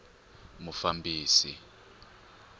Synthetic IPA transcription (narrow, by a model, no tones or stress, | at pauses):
mufambʱiːsḭ